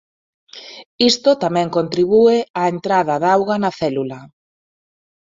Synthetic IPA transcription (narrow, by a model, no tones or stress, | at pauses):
ist̪ot̪amɛ̃ŋkont̪ɾiβuɪaent̪ɾaðɐðawɣɐnɐθɛlulɐ